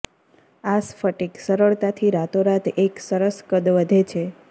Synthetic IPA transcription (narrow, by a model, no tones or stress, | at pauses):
asfəʈiksəɾəɭt̪at̪ʰiɾat̪oɾat̪eksəɾəskəd̪ʋəd̪ʱet͡ʃʰe